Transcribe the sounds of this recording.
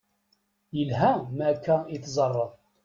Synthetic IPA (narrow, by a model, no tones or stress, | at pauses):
jəlɦæmækːæiθzˤərˤːəðˤ